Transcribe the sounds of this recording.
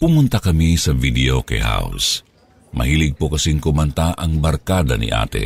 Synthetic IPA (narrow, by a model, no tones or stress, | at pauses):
pʊmʊnt̪akɐmisɐvid̪ɛokɐ̰jɦa̰ʊ̰s | mʔɐ̰hiːlɪɡ̚pokɐsiŋkʊmɐnt̪aʔɐŋbɐɾkaːd̪ɐ̰nḭʔa̰ːt̪ɛ̰